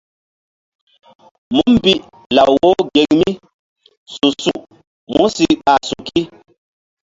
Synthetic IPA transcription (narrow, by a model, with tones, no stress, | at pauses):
mu˦m˦bi˦ʔ | la˨wo˦ɡe˨ŋmi˦ | su˨su˨ʔ | mu˦si˦ɓa˨su˨ki˦